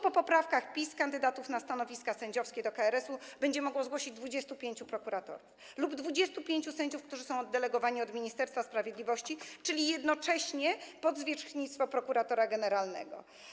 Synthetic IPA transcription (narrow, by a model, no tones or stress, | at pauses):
pɔpɔpɾafkaxpʲiskand̪ɘd̪at̪ufnast̪anɔvʲiskasɛɲd͡ʑɔfskʲɛd̪ɔkaɛɾɛsub̥ɛɲd͡ʑɛmɔɡwɔzɡwɔɕid͡ʑd̪vud͡ʑɛst̪upʲjeɲt͡ɕupɾɔkuɾat̪ɔ̰ɾuf | lubd̪vud͡ʑɛst̪upʲjeɲt͡ɕusɛɲd͡ʑufkt̪uʐɘsɔ̃w̃ɔd̪ːɛlɛɡɔvaɲiɔd̪mʲiɲist̪ɛɾst̪faspɾavʲjed̪lʲivɔɕt͡ɕit͡ʂɘlʲijɛd̪nɔt͡ʂɛɕɲɛpɔd̪zvʲjɛt͡ʂxɲit̪st̪fɔpɾɔkuɾat̪ɔɾaɡɛnɛɾalnɛ̰ɡɔ̰